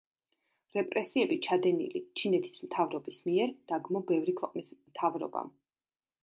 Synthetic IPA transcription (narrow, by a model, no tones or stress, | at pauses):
ɾɛpʼɾɛsiɛbit͡ʃʰad̪ɛnḭlḭt͡ʃʰinɛt̪ʰi̥smt̪ʰavɾɔbismiɛɾd̪̥aɡmɔbɛvɾikʰwɛqʼnismt̪ʰavɾɔ̰ba̰